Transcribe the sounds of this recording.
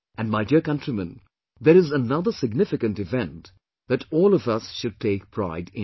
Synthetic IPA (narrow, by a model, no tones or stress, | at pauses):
æ̃nmaɪdiɹkʌ̃ntɹimə̃n | ðəɾɪzənʌðəsɪɡ̚nɪfɪkə̃ntɨvɛ̃nt | ðɨtɔːlʌvʌsʃʊd̚teɪk̚pʰɹ̥a̰ɪdɪ̃